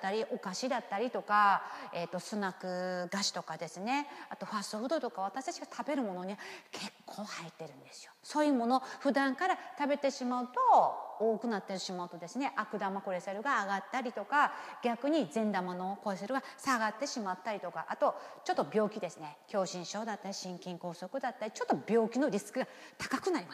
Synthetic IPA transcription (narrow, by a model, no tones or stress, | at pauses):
t̪ːaɾʲiʔo̞kaɕid̪at̪ːaɾʲit̪o̞kae̞t̪ːo̞sɨnakɯ̟ɡaɕi̥t̪o̞kad̪e̞sɨne̞at̪o̞ɸast̪oɸɯ̟d̪o̞t̪o̞kaβ̞at̪aɕi̥t̪at͡ɕiɡat̪ʰabe̞ɾɯ̟mo̞no̞ɲ̟iβakʰe̞kʰːo̞ːhait̪ːe̞ɾɯ̟̃nd̪e̞sɨ̥joso̞ːjɯ̟ːmo̞no̞ɸɯ̟d̪ãŋkaɾat̪abe̞t̪e̞ɕimaɯ̟t̪o̞oːkɯ̟nat̪ːeɾɕimaɯ̟t̪o̞d̪e̞sɨne̞ʔakɯ̟d̪amako̞ɾe̞seɾɯ̟ɡaːɡat̪ːaɾʲit̪o̞kaɡʲakɯ̟ɲ̟izẽ̞nd̪amano̞ko̞ɾeseɾɯ̟ɡasaɡat̪ːe̞ɕimat̪ːaɾʲit̪o̞ka̰ʔat̪o̞t͡ɕo̞t̪ːobʲo̞ːkʲid̪e̞sɨne̞kʲo̞ːɕĩɰ̃ɕo̞ːd̪at̪ːaɾʲiɕĩŋkʲĩŋko̞ːso̞kɯ̟d̪at̪ːaɾʲit͡ɕo̞t̪ːo̞bʲo̞ːkʲino̞ɾʲisɨ̥kɯ̟ɡa | t̪ḁkakɯ̟naɾʲima